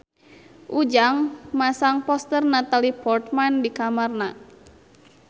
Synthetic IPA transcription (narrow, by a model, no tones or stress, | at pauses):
ʔud͡ʒaŋmasaŋpɔst̪ərnat̪alipɔrt̪̚mandikamarna